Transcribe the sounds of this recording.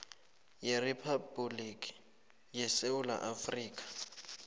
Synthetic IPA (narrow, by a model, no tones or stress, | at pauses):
jɪripʰabulikʼi̥ | jɛseʊla̰ʔafriːkʼḁ